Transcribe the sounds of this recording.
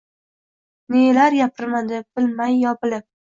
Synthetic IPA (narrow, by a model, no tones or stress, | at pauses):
nelaɾjapʰɪɾmad̪ɪb̥ɪlmajːɒpɪlɪp̚